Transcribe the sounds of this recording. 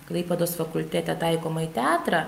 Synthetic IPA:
klˠɐɪpʲɛd̪oːsfɐkʊlʲt̪ʲæːt̪ʲɛt̪ɐɪkoːmɐɪt̪ʲɑːt̪ɾɑː

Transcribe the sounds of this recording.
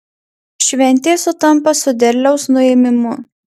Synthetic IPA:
ʃʲʋʲɛnʲˑt̪ʲeːsʊt̪ɐmˑpɐsʊd̪ʲɛɾʲlʲɛʊsnʊeːmʲɪmʊ

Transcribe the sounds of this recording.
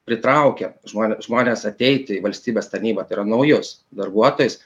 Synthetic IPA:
pʲɾʲɪt̪ɾɐʊkʲɛʒmoːnʲʒmoːnʲeːsɐt̪ʲɛɪt̪ʲɪiʋɐlʲsʲt̪ʲiːbʲeːst̪ɐɾʲnʲiːbɐt̪ɐɪɾɐnɐʊjʊsd̪ɐrbuɔt̪oːjʊs

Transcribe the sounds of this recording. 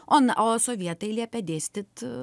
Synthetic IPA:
ʔonosoʋʲiɛt̪ɐɪlʲiɛpʲɛd̪ʲeːsʲt̪ʲɪt̪

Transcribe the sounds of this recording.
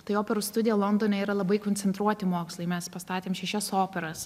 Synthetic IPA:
t̪ɐɪoːpʲɛɾuːst̪ʊd̪ʲɪjɛlˠond̪oːnʲɛiːɾɐlˠɐbɐɪkonʲt͡ssʲɛnt̪ɾuɔt̪ʲɪmoːkslˠɐɪmʲɛspɐst̪ɑːt̪ʲeːmʃʲɛʃʲɛsoːpʲɛɾɐs

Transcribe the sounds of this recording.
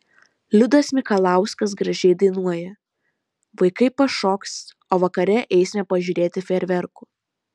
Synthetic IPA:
lʲʊd̪ɐsmʲɪkɐlˠɑˑʊskɐs̬ɡɾɐʒʲɛɪd̪ɐɪnuɔjɛ | ʋɐɪkɐɪpɐʃoːks | oːʋɐkɐɾʲɛʔɛɪsʲmʲɛpɐʒʲuːɾʲeːt̪ʲɪfʲɛɾʲʋʲɛɾkʊ

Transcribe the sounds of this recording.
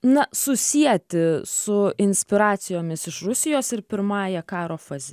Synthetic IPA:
nɐsʊsʲiɛt̪ʲɪsʊɪnʲsʲpʲɪɾɑːt̪sʲɪjoːmʲɪsɪʃrʊsʲɪjoːsɪɾpʲɪɾmɑːjɛkɑːɾoːfɐzʲɪ

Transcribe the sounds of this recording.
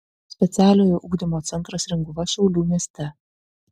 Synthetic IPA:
sʲpʲɛt̪sʲæːlʲoːjoʔuɡd̪ʲimoːt̪sʲɛnt̪ɾɐsɾʲɛŋɡʊʋɐʃʲɛʊlʲuːmʲiɛsʲt̪ʲɛ

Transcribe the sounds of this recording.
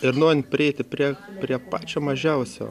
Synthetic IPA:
ɪɾnoɔɾʲɪnʲpʲɾʲɪɛɪt̪ʲɪpʲɾʲiɛpʲɾʲiɛpɑːt͡ʃʲoːmɐʒʲɛʊsʲo̰ː

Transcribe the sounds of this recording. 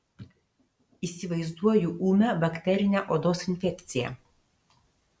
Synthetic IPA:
iːsʲɪʋɐɪzd̪uɔjuʔuːmʲɛbɐkʲt̪ʲɛɾʲɪnʲæʔoːd̪oːsɪnʲfʲɛkʲt̪sʲɪjɛ̰

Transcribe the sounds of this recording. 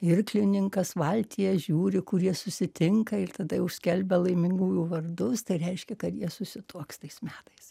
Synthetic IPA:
ɪɾklʲɪnʲɪŋkɐsʋɐlʲt̪ʲijɛʒʲuːɾʲɪkʊɾʲjiɛsʊsʲɪt̪ʲɪŋkɐɪrt̪ɐd̪ɐjɛʊʃʲsʲkʲɛlʲbʲɛlˠɐɪmʲɪŋɡuːjuːʋɐrd̪ʊst̪ɐɪɾʲɛɪʃʲkʲɛkɐt̪jiɛsʊsʲɪt̪uːkst̪ɐɪsmʲæːt̪ɐɪs

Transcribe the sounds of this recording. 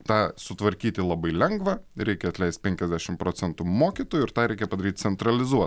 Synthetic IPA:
t̪ɑːsʊt̪ʋɐɾʲkʲiːt̪ʲɪlˠɐbɐɪlʲɛŋɡʋɐɾʲɛɪkʲɛɐt̪lʲɛɪst̪̚ʲpʲɛŋʲkʲɛzʲd̪ʲæːʃʲɪmpɾoːt͡ssʲɛnt̪umoːkʲit̪oːjʊɪɾt̪ɑːɾʲɛɪkʲɛpɐd̪ɐɾʲiːt̪̚ʲt͡s̪ʲɛnt̪ɾɐlʲɪzuɔt̪

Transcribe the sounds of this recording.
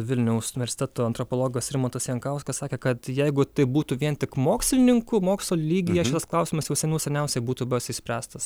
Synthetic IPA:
ʋʲɪlʲnʲɛʊsʊnʲɪʋʲɛɾʲsʲɪ̥t̪ʲæt̪oːɐnt̪ɾopoːlˠoːɡoːsɾʲɪmoːt̪ɐsjɛŋkɐʊskɐssɑːkʲeːkɐt̪jɛɪɡʊt̪ɐɪbuːt̪uːʋʲiɛnt̪ʲɪkmoːksʲlʲɪnʲɪŋkʊmoːksʲlˠoːlʲiːɡʲɪjɛʃʲɪt̪ɐsklˠɐʊsʲiːmɐsjɛʊsʲɛnʲuːsʲɛnʲɛʊsʲɛɪbuːt̪uːbɛsʲɪsʲpʲɾʲæːst̪ɐs

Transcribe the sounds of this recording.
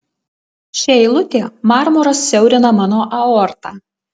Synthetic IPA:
ʃʲɛɪlˠʊt̪ʲeːmɑːɾmɔɾɐsːʲɛʊɾʲɪnɐmɑːnoːʔɐɔɾt̪ɑːˑ

